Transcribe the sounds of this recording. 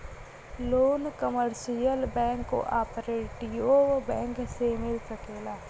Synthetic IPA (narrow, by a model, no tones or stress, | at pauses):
loːnkəməɾʃijəlbɛ̃ːŋkːo̰ʔaːpɾeːʈioːbɛ̃ːŋksemɪlsəkeːlaː